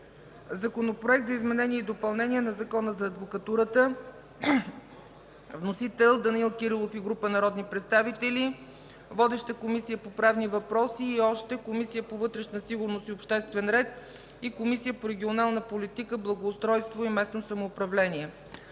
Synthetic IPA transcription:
zɐkonopɾoɛkt̪zəizmɛnɛniɛid̪opɐlˠnɛniɛnɐzɐkɔnəzɐːd̪vokɐt̪uɾət̪ə | vnosit̪ɛlˠd̪ɐnilˠkʲiɾilˠofiɡɾupənɐɾɔd̪nipɾɛt̪st̪avit̪ɛli | vɔd̪ɛʃt̪əkomisijəpopɾavnivɐpɾɔsiːɔʃt̪ɛkomisijəpovɤt̪ɾɛʃnəsiɡʊɾnosiopʃt̪ɛst̪vɛnɾɛt̪̚ | ikomisijəpoɾɛɡʲionalˠnəpolit̪ikəblˠɐɡoːst̪ɾɔjst̪voimɛsnosɐmoːpɾɐvlɛniɛ

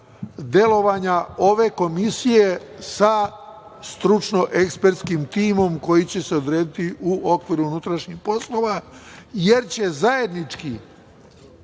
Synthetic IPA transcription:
d̪je̞lo̞ʋaɲao̞ʋe̞ko̞misije̞sa | st̪ɾut͡ʃno̞ʔe̞kspe̞ɾt̪skimt̪iːmo̞mko̞jit͡ɕe̞se̞o̞d̪ɾeːd̪it̪iʔuo̞kʋiːɾuunut̪ɾaʃɲixpo̞slo̞ʋaje̞ɾt͡ɕe̞zajed̪nit͡ʃki

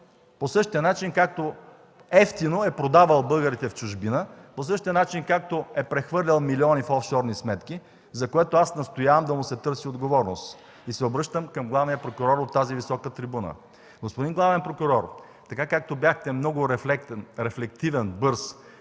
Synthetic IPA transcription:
posɤʃt̪iənat͡ʃinkak̚t̪o | ɛft̪inoɛpɾod̪avəlˠbɤlˠɡəɾit̪ɛft͡ʃʊʒbinəpos̬ɤʃt̪iənat͡ʃinkak̚t̪oɛpɾɛxvɤɾlʲɐlˠmiliɔnifɔfʃɔɾnismɛt̪k̟i | zɐkoɛt̪oasnɐst̪ojavəmd̪ɐmʊsɛt̪ɤɾsiod̪ɡovɔɾnos | isɛobɾɤʃt̪əmkɐmɡlˠavnijəpɾokʊɾɔɾot̪ːazivisɔkət̪ɾibunə̰ | ɡospod̪inɡlˠavɛnpɾokʊɾɔɾ | t̪ɐkakak̚t̪objaxt̪ɛmnɔɡʊɾɛflɛkt̪ɛnɾɛflɛk̚t̪ivɛnbɤɾs

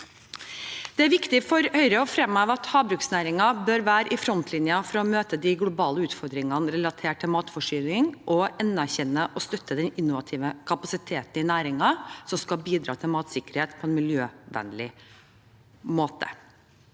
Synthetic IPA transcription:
d̪̥ɛæɾʋɪkt̪ɪfɔɾœʏɾəɔfɾɛmːɑːʋɑt̪hɑːbɾʉːksnæːɾɪŋɑbøːɾʋæːɾəʔɪfɾɔnt̪ʰlɪnjɑfɾɑɔmøːt̪əd̪ɪɡlʊbɑːləʉːt̪fɔɾd̪ɾɪŋɑnəɾɛlɑt̪ʰeːʈʰːɪlmɑːt̪fɔʂyːlɪŋʔɔɛnːæɾçɛnːəʔɔst̪œt̪ːəd̪ɛnɪnːʊʋɑt̪ʰiːʋəkʰɑpɑsɪt̪ʰeːt̪n̩ɪnæːɾɪŋɑsɔmskɑbiːd̪ɾɑ̰ːt̪ʰɪlmɑːt̪sɪkəɾheːt̪pʰɔɛnmɪljøːʋæ̰nlɪ | moːt̪ə̰

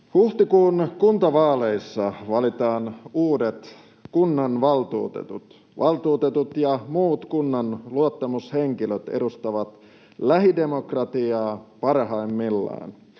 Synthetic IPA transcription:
huht̪ikuːnkunt̪ɑʋɑːleisːɑʋɑlit̪ɑːnuːdet̪ | kunːɑnʋɑlt̪ṵːt̪ḛt̪ut̪ | ʋɑlt̪uːt̪et̪ut̪jɑmuːt̪kunːɑnluot̪ːɑmusheŋkiløt̪ḛdust̪ɑʋɑt̪ | læɦide̞mokrɑt̪iɑːpɑrhɑimːilːɑ̰in

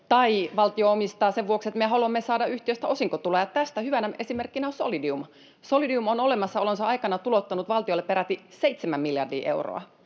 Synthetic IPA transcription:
t̪ɑiʋɑlt̪ioomist̪ɑːseʋʋuokset̪mieɦɑluɑmːesɑːdɑʔyht̪iøst̪æo̞siŋkot̪ulːɑjɑt̪æst̪æhyʋænæe̞simerkːinæonso̰lidium | solidiumonolemɑsːɑolensɑɑikɑnɑt̪ulot̪ːɑnut̪ʋɑlt̪iolːepeɾæt̪iseit̪semæmmiljɑrdḭːʔeuro̰ɑ̰

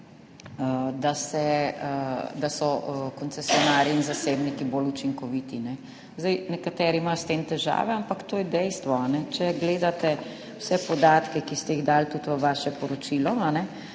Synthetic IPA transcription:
əd̪asɛ | d̪asɔkɔnsɛsiɔnaːɾiːnzaseːbnikibolut͡ʃiŋkɔʋit̪inɛ | zd̪ɛjnɛkat̪ɛːɾimajst̪eːmt̪ɛʒa̰ːʋɛampakt̪oːjɛd̪ɛjst̪ʋɔanɛt͡ʃɛɡleːd̪at̪ɛ | wsɛpɔd̪aːt̪kɛkist̪ɛiɣd̪aːlt̪ut̪ʋəʋaːʃɛpɔɾɔt͡ʃilɔanɛ

